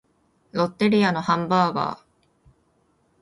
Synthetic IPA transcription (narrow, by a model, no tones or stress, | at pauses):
ɾo̞t̪ːe̞ɾʲiano̞hãmbaːɡa̰ː